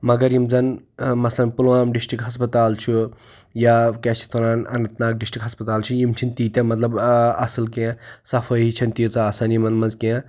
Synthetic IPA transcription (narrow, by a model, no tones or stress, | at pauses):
mɐɡɐɾjimzɐnmɐslɐnpulwaːmɖisʈɾikɦɐspɐt̪aːlt͡ʃʰu | jakat͡ʃʰi̥t̪ʰɐɾaːnɐ̰nɐt̪naːk̚ɖisʈɾikɦɐspɐt̪aːlt͡ʃʰijimt͡ʃʰint̪iːt̪ʲẽmɐt̪lɐbɐsɨlkẽsɐfʰəɦit͡ʃʰɐnt̪it͡sɐaːsanimɐnmɐnzkẽ